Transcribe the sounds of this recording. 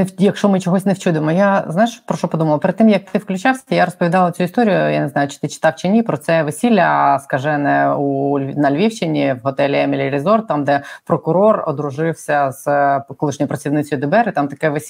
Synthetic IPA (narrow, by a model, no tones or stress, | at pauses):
jɐkʃt͡ʃɔmɪt͡ʃɔɦɔsʲnewt͡ʃud̪emɔjazajɪʃpɾɔʃt͡ʃɔpɔd̪umɐlˠɐpeɾɪd̪t̪ːɪmjɐk̚t̪ʰɪwklʲʊt͡ʃasʲjaɾɔspɔʋʲid̪ɑlˠɐt͡sʲuist̪ɔɾʲijʊjaneznajʊt͡ʃɪ̥t̪ɪt͡ʃɪ̥t̪ɑwt͡ʃɪnʲipɾɔt̪sɛʋesʲilʲːɐskɐʒɛnɛunɐlʲʋʲiwt͡ʃɪnʲiwɦɔt̪ɛlʲiɛmʲɪlʲɪɾʲizɔrt̪ɑmd̪ɛpɾɔkʊɾɔrɔd̪ɾʊʒɪwsʲɐz̥kɔlˠɪʃnʲɔjʊpɾɐt͡sʲiwnɪt͡sʲɔjʊd̪ɪbɛɾɪt̪amt̪ɐkɛʋesʲ